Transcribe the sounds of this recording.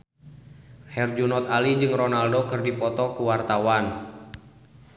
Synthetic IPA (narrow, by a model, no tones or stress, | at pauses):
hɛrd͡ʒunɔt̪̚alid͡ʒɨŋrɔnaldokərdipɔt̪ɔkuwart̪awan